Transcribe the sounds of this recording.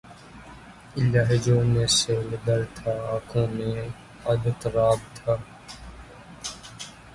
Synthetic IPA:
ɪlaɦd͡ʒoːneːseːlɪd̪əɾt̪ʰaːaːkʰõːmẽ | ɐd̪ət̪ɾaːbt̪ʰaː

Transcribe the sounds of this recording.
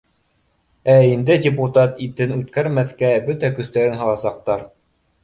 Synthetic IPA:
æind̪ɘdʲeput̪ɑt̪it̪ɘnʉt̪̚kæɾmæθkæbɵt̪ækɵ̆θt̪æɾɘnɦɤ̆lˠɑsɑq̚t̪ɑɾ

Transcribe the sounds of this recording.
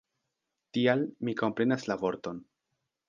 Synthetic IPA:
tialmiko̞mpɾe̞naslavo̞ɾto̞n

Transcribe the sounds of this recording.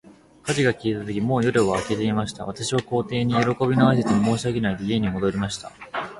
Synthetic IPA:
kaʑiɡakʲiːt̪at̪okʲimo̞ːjoɾɯβaːke̞t̪e̞imaɕi̥t̪a̰β̞at̪aɕiβ̞ako̞ːt̪e̞ːɲ̟ijo̞ɾo̞ko̞bʲinoais̬et͡sɨnomo̞ːɕiaɡʲe̞naid̪e̞ie̞ɲ̟imo̞d̪o̞ɾʲimaɕi̥t̪a

